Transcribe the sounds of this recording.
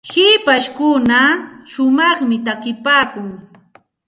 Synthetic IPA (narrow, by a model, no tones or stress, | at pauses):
hɪpaʃkʊnaʃʊmɑχmɪt̪akɪpaːkʊŋ